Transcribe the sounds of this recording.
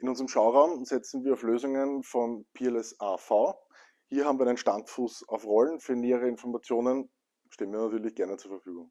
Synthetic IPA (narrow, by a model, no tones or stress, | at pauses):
ʔɪnʊnzəʁəmʃaʊʁaʊmzɛt͡sn̩viːɐɑʊfløːzʊŋənfɔnpʰeɛlɛsaːfaʊ | hiːɐɦabm̩viːɐænənʃtantfuːsɑʊfʁɔlnfyːɐneːəʁəɪnfɔɐmat͡sjoːnən | ʃteːənviːɐnatyɐlɪçɡ̥ɛɐnət͡suːɐfɛɐfyːɡʊŋ